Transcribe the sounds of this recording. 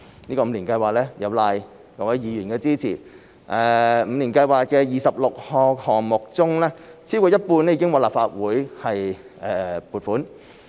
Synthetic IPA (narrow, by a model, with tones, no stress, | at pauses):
niː˥kɔː˧m̩˨˧liː˨˩nkɐ˧jwaː˨k̚lɛː˥jɐ˨˧wlaː˧j | jɐ˨˩wɐ˨˥jiː˨ɥyː˨˩nkɛː˧t͡siː˥t͡sʰḭː˨˩ | ʔɛ˨˧m̩˨˧niː˨˩nkɐ˧jwaː˨˩t̚kɛː˧jiː˨sɐ˨p̚lʊ˨k̚hɔː˨˧khɔː˨˩ŋmʊ˨k̚t͡sʊ˥ŋlɛː˥t͡sʰiː˥wuː˨˩jɐ˥t̚puː˧nlɛ˥jiː˨˧kɪ˥ŋwaː˨˧laː˨˩pfaː˧t̚wuː˨˥jhɐ˨j | ʔɛː˨puː˨t̚fuː˨˥n